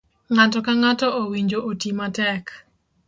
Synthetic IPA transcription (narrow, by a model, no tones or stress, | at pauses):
ŋatɔkaŋatɔʔowiɲd͡ʒoʔotimatɛk